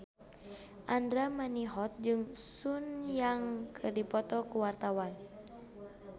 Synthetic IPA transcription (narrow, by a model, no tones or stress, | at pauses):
ʔandɾamaniɦɔt̪̚d͡ʒɨŋsunjaŋkʰɨrdipɔt̪ɔkuwart̪awan